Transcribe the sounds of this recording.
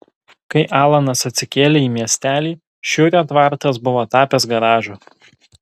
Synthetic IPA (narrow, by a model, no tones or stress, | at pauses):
kɐɪʔɑːlˠɐnɐsɐt̪ʲsʲɪkʲeːlʲeiːmʲiɛsʲt̪ʲæːlʲiː | ʃʲʊɾʲɛt̪ʋɑˑɾt̪ɐs̬bʊʋoːt̪ɑːpʲɛs̬ɡɐɾɑːʒuː